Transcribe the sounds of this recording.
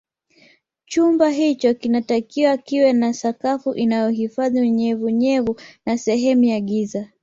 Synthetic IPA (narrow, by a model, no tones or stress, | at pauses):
t͡ʃumbaɦit͡ʃɔkinatakiwakiwɛnasakafuʔinajɔɦifaðiɲɛvuɲɛvunasɛɦɛmujaɠiza